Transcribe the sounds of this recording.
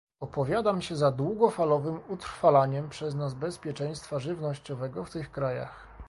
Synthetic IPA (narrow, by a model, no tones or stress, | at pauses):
ɔpɔvʲjad̪amɕɛzad̪wuɡɔfalɔvɘmut̪ɾfalaɲɛmpʂɛznazbɛspʲjɛt͡ʂɛj̃st̪faʐɘvnɔɕt͡ɕɔvɛɡɔft̪ɘxkɾaja̰x